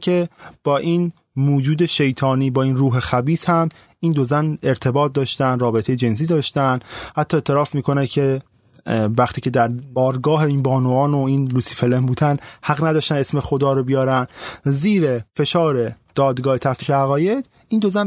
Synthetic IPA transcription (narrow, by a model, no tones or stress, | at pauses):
kʰe̞b̥ɒːʔiːn | muːd͡ʒuːd̪e̞ʃe̞jt̪ʰɒːniːbɒːiːnruːɦe̞xæbiːshæm | iːnd̪o̞zæne̞ɾt̪ʰe̞bɒːt̪̚d̪ɒːʃt̪ænd̪ɾɒːbe̞t̪ʰe̞jed͡ʒe̞ns̬iːd̪ɒːʃt̪ænd̪hæt̪ʰːɒːet̪ʰːeɾɒːfmiːkʰo̞næcʰe̞ | væχt̪ʰiːcʰe̞d̪æɾbɒːɾɡɒːɦeiːnbɒːnoɒːnoiːnluːsifelembuːd̪ænhæɣnæd̪ɒːʃt̪æne̞sme̞xo̞d̪ɒːɾobijɒːɾænziːɾefe̞ʃɒːɾe̞d̪̥ɒːd̪ɡɒːhet̪ʰæft̪iːʃeæɣɒːje̞d̪̥ | iːnd̪o̞zæn